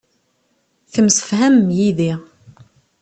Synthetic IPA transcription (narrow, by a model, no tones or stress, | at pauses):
θəmsə̥fhæmjiði